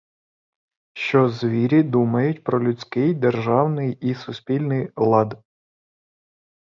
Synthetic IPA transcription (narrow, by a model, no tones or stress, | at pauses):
ʃt͡ʃɔzʋʲiɾʲid̪umɐjʊtʲpɾɔlʲʊt͡sʲkɪjd̪erʒɑwnɪjisʊsʲpʲilʲnɪjlˠɑd̪